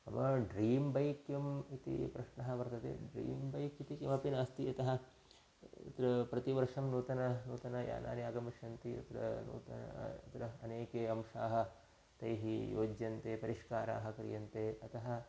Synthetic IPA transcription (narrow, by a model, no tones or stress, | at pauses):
ɐ̰mɐɖɾiːmbɐjkjɐmit̪ḭpɾɐʂɳɐɦɐ̆ʋɐɾt̪ɐt̪ḛːɖɾḭːmbɐjkit̪ikjɐmɐpinɐst̪iɐt̪ɐɦɐ̰̆ | t̪ɾɐpɾɐt̪iʋɐɾʂɐmnuːt̪ɐnɐnuːt̪ɐnɐja̰ːnʔa̰ːnjaːɡɐmiʂjɐnt̪iɐ̰t̪ɾɐ̰nṵːt̪ɐɐt̪ɾɐɐneːkeːɐmʂaːɦɐ̆ | t̪ɐjɦijo̰ːd͡ʒjɐnt̪eːpɐɾiʂkaːɾa̰ːɦɐ̆kɐɾḭjɐnt̪eːɐt̪ɐɦɐ̆